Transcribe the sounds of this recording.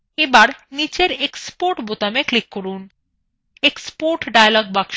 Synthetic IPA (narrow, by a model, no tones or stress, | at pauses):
ebaɾnit͡ɕeɾekspoɾʈbot̪ameklikːoɾun | ekspoɾʈɖajalɔɡ̚bakʃ